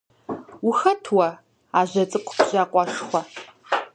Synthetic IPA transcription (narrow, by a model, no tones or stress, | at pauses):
wʊxɐtʰwɐ | aːʑɐt͡sʼɨqʷʰʼʊpʑaːqʷʼɑʃxʷɐ